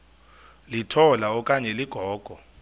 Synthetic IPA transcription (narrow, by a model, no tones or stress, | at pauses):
litʰɔlaɔkʼaɲɛliɡ̥ʱɔːɡ̥ʱɔ